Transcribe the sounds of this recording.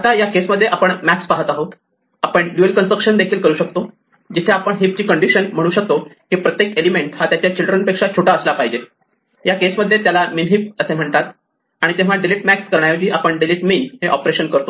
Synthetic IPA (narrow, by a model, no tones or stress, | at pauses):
at̪ajakesməd̪ʱːjeʔapəɳmækspaɦət̪aɦot̪ | apəɳɖjuəlkənsɾəkɕənd̪ekʰiːlkəɾuːɕək̚t̪o | d͡ʑit̪ʰeapəɳɦip̚t͡ɕiːkəɳɖiɕənm̤əɽ̃uːɕək̚t̪okipɾət̪jek̪̚elimeɳʈhat̪jat͡ɕjat͡ɕilɖɾənpekʂat͡ɕʰoʈaəslapaɦid͡ʑe | jakesməd̪ʱːjet̪jalaminɦip̚əsem̤əɳt̪at̪ | aɽ̃it̪ẽʋ̤aɖiliʈmækskəɾɳajod͡ʑiːʔapəɳɖiliʈminɦeʔɔpɾeɕənkəɾt̪o